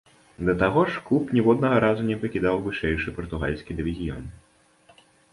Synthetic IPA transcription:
d̪ɐt̪aɣɔʂklˠupnʲɛwɔd̪nɐɣɐɾazunʲɛpɐkʲid̪awvɨʂɛjʂɨpɐrt̪uɣa̰lʲsʲkʲid̪ɨvʲizʲijɔ̰n

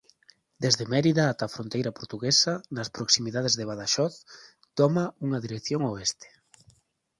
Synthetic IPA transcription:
d̪̥ezðemɛɾiðɐːt̪afɾont̪ejɾɐpoɾt̪uɣesɐnɐspɾoksimiðað̞ezðeβ̞aðaʃɔθ | t̪ɔmɐuŋɐðiɾekθjoŋoest̪e̥

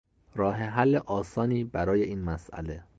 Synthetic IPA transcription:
ɾɒːɦeɦælːeʔɒːsɒːniːbæɾɒːje̞iːnmæsʔæ̰le̞

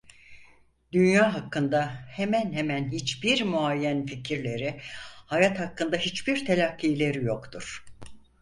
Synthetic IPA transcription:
d̪ynjaːɦakːɯnd̪ahemænɦemænɦit͡ʃbiɾmuajːænficʰiɾlʲe̞ɾihajat̪hakːɯnd̪aɦit͡ʃbiɾt̪ʰelʲakːilʲe̞ɾijo̞kt̪ʰuɾ̥

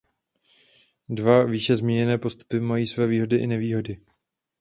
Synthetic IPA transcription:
dvaviːʃɛzmɲiɲɛnɛːpo̞st̪u̥pɪmajiːsvɛːviːɦo̞dɪʔɪnɛviːɦo̞dɪ

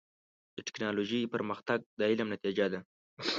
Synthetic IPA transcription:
d̪əʈɪ̥knɑloʒipəɾməxt̪aɡ̚d̪əɪlamnat̪id͡ʒad̪a

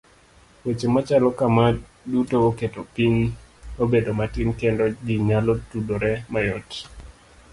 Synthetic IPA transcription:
wet͡ʃemat͡ʃalɔkama | dutooketopiɲobedomatɪnkendɔɡiŋalotudoɾɛmajɔt

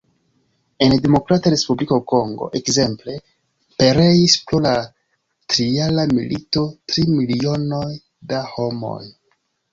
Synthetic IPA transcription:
e̞ndemo̞kɾataɾe̞spublikoko̞ŋɡo̞̰ʔe̞kze̞mple̞ | pe̞ɾe̞jispɾo̞la | tɾialamḭlʔito̞tɾimilio̞no̞j | daho̞mo̞̰j

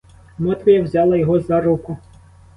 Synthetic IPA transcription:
mɔt̪ʋʲijɐwzʲɑlˠɐjɔɦɔzɐɾukʊ

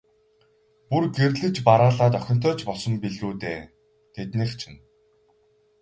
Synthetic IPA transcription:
purɡerɮɘ̆t͡ɕpaɾaːɮaːt̪œxʲɪ̆n̥t̪ʰœːt͡ɕpɔɮsɞ̆mpiɮɣuːt̪eː | t̪ʰet̪niːkt͡ɕʰɪ̆n

